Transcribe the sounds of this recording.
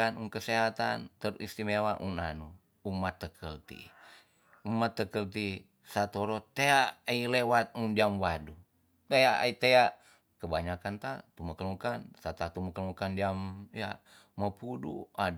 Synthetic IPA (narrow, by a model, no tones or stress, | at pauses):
anunkəseɦat̪a̰nt̪əɾʔist̪imewaʔunanu | umat̪ːəkʰəlt̪ḭ | umat̪ːəkəlt̪̬i | sat̪oɾot̪eaailewat̪̚undiamwadu | t̪eaʔa̰it̪ea | kəbaɲakant̪at̪uməkəlukansat̪at̪uməkəlukandiamja̰ | məpudṵa